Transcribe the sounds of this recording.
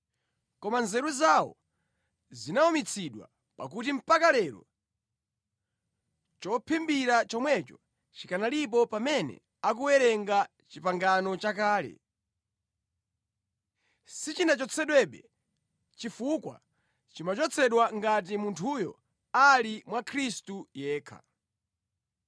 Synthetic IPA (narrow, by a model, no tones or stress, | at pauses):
kɔmanzɛɾuzawɔ̰ | zinaɔmit͡sʰiɗwa̰ | pa̰kutim̩pakalɛɾɔ̰ | t͡ʃɔpʰɛmbiɾat͡ʃɔmwɛt͡ʃɔ̥ | t͡ʃi̥kanalip̬ɔpamɛnɛ̰ | ak̬uwɛɾɛŋɡa | t͡ʃipaŋɡanɔt͡ʃakaːlɛ̰ | sit͡ʃinat͡ʃɔt͡sʰɛɗwɛɓɛ | t͡ʃifukwa̰ | t͡ʃimat͡ʃɔt͡sʰɛɗwaŋɡat̬imuntʰujɔ̰ | alimwakʰɾistujɛːkʰa̰